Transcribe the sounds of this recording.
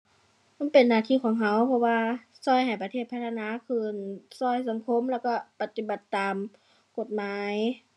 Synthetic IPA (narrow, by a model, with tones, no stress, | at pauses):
ma˧˥˨npe˨nːaː˧˩t̪ʰiː˧˨kʰɔː˨˩˦ŋɦa˧˥wpʰɔ˧waː˧ | sɔː˧˥˨jha˨˩jpa˧t̪ʰeː˧˩t̪̚pʰa˧˥t̪ʰːa˧naː˧˥˨kʰɯː˧˩˨nsɔː˧˩jsa˨˧˦ŋkʰo˧˥˨mlɛː˧˩wkɔ˧˩pa˧t̪i˧˦ba˧˩t̪ːaː˨m | ko˧˩t̪̚maː˨˧˦j